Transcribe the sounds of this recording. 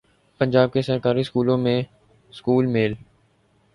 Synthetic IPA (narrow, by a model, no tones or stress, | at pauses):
pə̃ɲd͡ʒaːb̚kesəɾkaːɾiskuːlõːmẽ | skuːlmeːl